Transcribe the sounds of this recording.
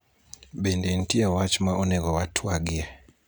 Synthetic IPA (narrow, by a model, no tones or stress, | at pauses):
ɓɛndɛn̩tiawat͡ʃmaʔɔnɛɣɔwatʰuaɡiɛ